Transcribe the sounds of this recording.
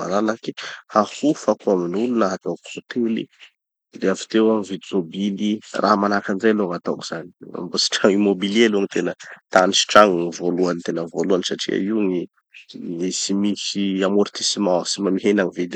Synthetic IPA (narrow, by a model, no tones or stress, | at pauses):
a̰ɾalakihahufakuaminulunaɦat̪awku̥sot̪elḭ | d̪eafi̥t̪ewamivid̪imobilirʔaɦmanakand͡ʒajloŋat̪awki̥z̥ania̰mbosi̥ʈ͡ʂaŋimobileluaŋit̪enət̪anisi̥ʈ͡ʂaŋivoluanit̪enəvoluanisaʈ͡ʂḭa̰iŋi | isimisiamoɾt̪isimasimamiɦenaŋivid̪i